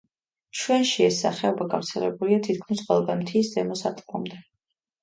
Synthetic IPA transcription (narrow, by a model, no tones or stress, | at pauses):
t͡ʃʰwɛnʃiɛsːa̰χɛɔbaɡa̰vɾt̪sʰɛlɛ̰buliat̪ʰit̪̚kʰmisqʼwɛlˠd̪ɛmt̪ʰisd̪ɛmɔsat̪ʼkʼɔmd̪ɛ